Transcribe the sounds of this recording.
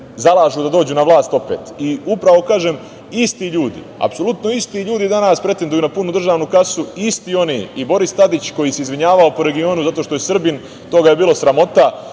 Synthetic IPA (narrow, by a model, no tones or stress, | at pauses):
zalˠaːʒud̪ad̪o̞ːd͡ʑuːnaʋlˠaːst̪o̞pḛːt̪iupɾaʋo̞kaːʒeːm | ist̪iʎuːd̪ḭa̰pso̞lut̪noist̪iʎuːd̪id̪anaspɾe̞t̪ed̪ujunapunud̪r̩ʒaːʋnukasuist̪io̞nḭːibo̞ɾist̪ad̪it͡ɕko̞jiseizʋiɲaːʋao̞po̞ɾe̞ɡio̞ːnuzat̪o̞ʃt̪o̞jesr̩bin | t̪o̞ɡaje̞biːlˠo̞sɾamo̞t̪a